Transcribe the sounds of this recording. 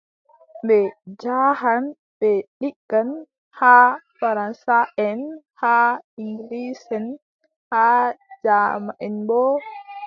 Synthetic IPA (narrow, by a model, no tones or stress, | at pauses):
bɛd͡ʒahan | bɛɗikːan | hafaɾansaʔɛn | haiŋɡlisɛn | had͡ʒamaʔɛnbɔ